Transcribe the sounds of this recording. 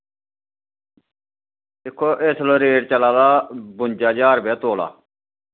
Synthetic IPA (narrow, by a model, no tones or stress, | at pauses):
ɪkʰːoːʔeːsloːɾeːɽt͡ʃəlaːd̪aːbʊnʲd͡ʒaːd͡ʒaːɾbɛːt̪oːla̰ː